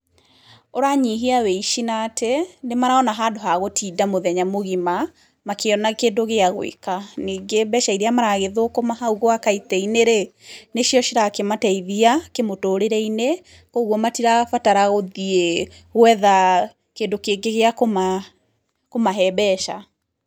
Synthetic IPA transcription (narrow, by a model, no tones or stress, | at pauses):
oɾaɲiɦiawɛiʃinatʰenemaɾaɔnaɦaːdoɦaɣotʰidamoðɛɲamoɣima | makeɔnakeːndoɣeaɣoḭkaniːŋɡebɛʃaiɾeamaɾaɣeðokomaɦauɣoakaitɛineɾeneʃjɔʃiɾakematɛiðiakemotoːɾeɾɛine | koɣwɔmatiɾaɣfataɾaɣoðie | ɣwɛða | keːndokeːɡeɣeakoma | komaɦɛbɛʃa